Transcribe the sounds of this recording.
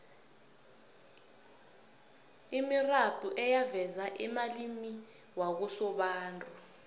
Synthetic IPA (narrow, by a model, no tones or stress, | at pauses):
imirab̥ʱʼuʔɛjavɛzaʔɛmalimi | wak̬usɔɓaːntʼu